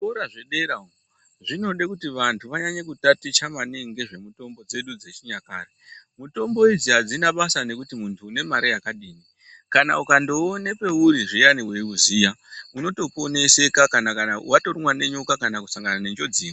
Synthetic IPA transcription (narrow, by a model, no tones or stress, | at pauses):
uɾaʐeɗe̞ɾao | ʐino̞ɗekutiʋantʰuʋaɲaɲakutatit͡ʃamaneŋɡe̞ʐe̞muto̞mbo̞d͡ze̞ɗud͡zet͡ʃiɲaka̰ːremuto̞mbo̞id͡ziɦad͡zinaɓasane̞kutimuntʰuːne̞maɾejakaɗiːni | kana̰ukando̞ne̞pe̞uɾiʐijaniweuzijauno̞to̞po̞ne̞se̞kakanakanawatorimwane̞ɲokakanakusaŋɡanane̞nd͡ʒo̞d͡ziːni